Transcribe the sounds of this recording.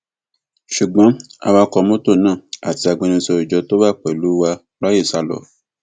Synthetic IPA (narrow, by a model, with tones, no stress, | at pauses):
ʃu˨ɡ͡bɔ̃˨˦a̰˧wa˧kɔ˧mõ˦to˦˨nãː˦˨a̰˨ti˧a˧ɡ͡bẽ˧nĩ˧sɔ˧i˨d͡ʒɔ˧˦to˦ba˦˨k͡pɛ˨lu˨˦wa˧ | lɔ˦je˦˨sa˧lɔ̰˨